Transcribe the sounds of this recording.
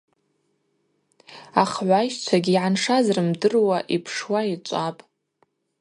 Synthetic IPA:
aχʕʷajʃt͡ʃʷʰaɡʲiʕanʂazrɨmdɨrwaʔipʰʂwait͡ʃʷʼapʼ

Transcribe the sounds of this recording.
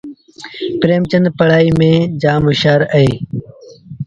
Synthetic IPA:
pɾeːmt͡ɕənd̪pəɽaːiːmẽːd͡ʒaːmʊʃaːɾəeː

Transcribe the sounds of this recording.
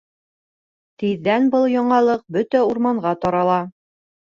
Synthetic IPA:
t̪iðːænbɤlˠjɒɴɑlˠɤq̚bɵt̪æuɾmɑɴʁɑt̪ɒɾɑlˠɑ

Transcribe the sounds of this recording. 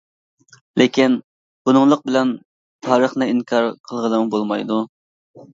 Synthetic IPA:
lekʲin | b̥unʊŋlˠəq̚bɪlɛn | t̪ʰɑːɾəχnɨiŋkʰɑɾqʰəlˠʁəlˠəmubolˠmɑjd̪u

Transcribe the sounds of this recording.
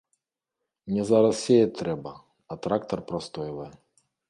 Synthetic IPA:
nʲɛzaɾɐssʲejɛt̪ɾɛbɐ | ɐt̪ɾak̚t̪ɐrpɾɐst̪ɔjɛvɐjɛ

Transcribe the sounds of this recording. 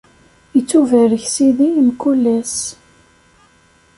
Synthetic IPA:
jət͡sːuvəɾəçsiðimkulːæs

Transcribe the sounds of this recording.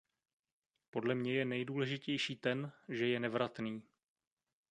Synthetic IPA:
po̞dlɛmɲɛjɛnɛjduːlɛʒɪcɛjʃiːt̪ɛnʒɛjɛnɛvɾat̪niː

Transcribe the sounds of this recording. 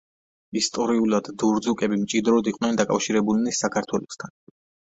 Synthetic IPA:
ist̪ʼɔɾiulˠad̪ːuɾd̪zukʼɛbimt͡ʃʼid̪ɾɔd̪iqʼwnɛnd̪akʼafʃiɾɛbulnisːakʰaɾt̪ʰwɛlɔst̪ʰan

